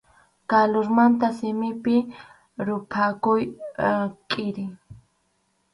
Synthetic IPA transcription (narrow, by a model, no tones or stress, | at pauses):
kalʊɾmant̪asɪmɪpɪ | ɾʊpʰakʊj | kʼɪɾɪ